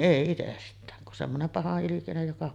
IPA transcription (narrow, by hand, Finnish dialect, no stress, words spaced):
ʔeˑi itestˑæːn kun semːonem pɑhɑʔːilikinej jokɑ